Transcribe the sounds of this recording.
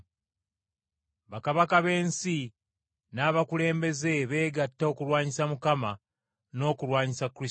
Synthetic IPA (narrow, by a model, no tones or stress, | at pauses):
βakaβakaβe̞ːnsi | naːβakule̞ːmbe̞ze̞βe̞ːɡatːao̞kuɾwaːɲisamukama | no̞ːkulwaːɲisakːɾis